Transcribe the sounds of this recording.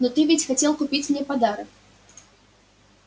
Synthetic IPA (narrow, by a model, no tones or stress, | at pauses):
nɔt̪ɨvʲit͡sʲxat͡sʲɛlˠkupʲit͡sʲmnʲɛpad̪aɾɐk